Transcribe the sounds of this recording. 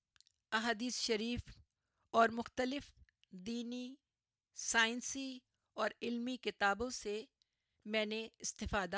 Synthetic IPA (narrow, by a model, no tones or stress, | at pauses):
ɐɦaːd̪iːsʃɐɾiːf | ɔːɾmʊxt̪əlɪf | d̪iːni | saːɪnsi | ɔːɾɪlmikɪt̪aːbõse | mɛ̃ːneɪst̪ɪfaːd̪a